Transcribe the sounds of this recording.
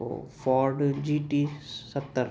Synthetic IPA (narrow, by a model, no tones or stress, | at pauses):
o̰fɔːɾɖd͡ʒiːʈisət̪ːəɾ